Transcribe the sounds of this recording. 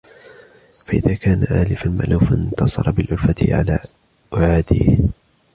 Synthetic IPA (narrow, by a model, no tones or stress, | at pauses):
faʔɪðaːkaːnaʕaːlɪfanma̰lʔuːfant̪ɑsˤɑ̰ɾˤɑbɪlʕʊlfat̪ɪ̰ʕa̰laː | ʔʊʕaːd̪ḭːh